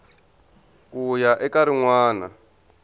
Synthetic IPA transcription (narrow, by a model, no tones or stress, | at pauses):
kʼujaʔɛkaɾiŋwaːna̰